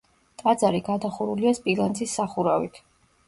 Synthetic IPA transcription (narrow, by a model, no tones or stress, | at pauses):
t̪ʼad̪zaɾiɡad̪aχuɾuliaspʼilˠansʰisːaχuɾavḭt̪ʰ